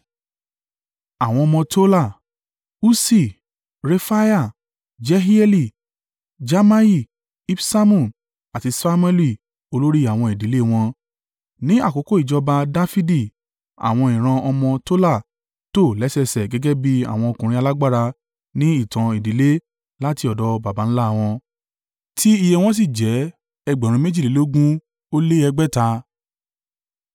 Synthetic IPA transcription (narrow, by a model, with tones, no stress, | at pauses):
a˨w̃ɔ̃˧ɔ˧mɔ̃˧to˦la˦˨ | u˦si˦˨ | ɾe˧fa˦ja˦˨ | d͡ʒɛ˦ɦi˦ɛ˦li˦˨ | d͡ʒa˦ma˦ji˦˨ | i˦fsa˦mũ˦˨ | a˨ti˧sa˦mɛ˦li˦˨ | o˧lo˦ɾi˦a˦˨w̃ɔ̃˧i˨di˨˦le˦˨w̃ɔ̃˧ | nĩ˦a̰˦˨ko˨˦ko˦i˨d͡ʒɔ˧ba˧da˦fi˦di˦˨ | a̰˨w̃ɔ̃˧ĩ˨ɾ̃ã˧ɔ˧mɔ̃˧to˦la˦˨ | to˦˨lɛ˨˦sɛ˧sɛ˨ɡɛ˨˦ɡɛ˦bi˦a̰˨w̃ɔ̃˧o˧kũ˨ɾĩ˦a˧la˦ɡ͡ba˦˨ɾa˧ | nĩ˦i˦˨tã˨i˨di˨˦le˦ | la˦ti˧ɔ˨dɔ˨˦ba˨ba˨˦ñ̩˦la˦˧w̃ɔ̃˧ | ti˦i˧jɛ˧w̃ɔ̃˦s̬i˦˨d͡ʒɛ˨˦ | ɛ˧ɡ͡bɛ˨ɾũ˧˦mẽ˦d͡ʒi˦˨le˨˦lo˦ɡũ˦ | o˦le˦ɛ˧ɡ͡bɛ˦ta˧